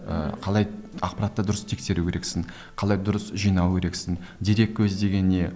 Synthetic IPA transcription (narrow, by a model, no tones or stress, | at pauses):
ə̰qʰɑlˠɑjɑq̚pɑɾat̪ːəd̪ʊɾəst̪ʰe̞kse̞ɾukʲʰeɾe̞ksɪŋ | qʰɑlˠɑjd̪ʊɾəsʒijnɑwkʲʰe̞ɾe̞ksɪŋ | d̪iɾe̞k̚ʲːʰɵzd̪e̞ɡʲe̞nːe̞